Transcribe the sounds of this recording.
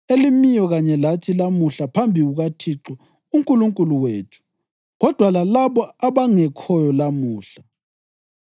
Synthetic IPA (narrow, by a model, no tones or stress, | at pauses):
elimijɔɣaɲɛlatʰilamuɬapʰambʱiɣuɣatʰiǁɔ | uŋkʼuluŋkʼuluweːtʰu̥ | ɣɔd̥ʱwalalaβɔaβaŋɛkʰɔjɔlamuːɬa